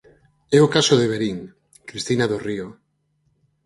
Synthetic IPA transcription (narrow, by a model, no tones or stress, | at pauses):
ɛokasoðeβ̞eɾiŋ | kɾist̪inaðorio